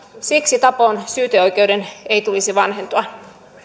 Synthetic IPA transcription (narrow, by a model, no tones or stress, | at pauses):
siksit̪ɑpoːnsyːt̪øojk̟e̞wde̞nejt̪ulisiʋɑnɦent̪oɑ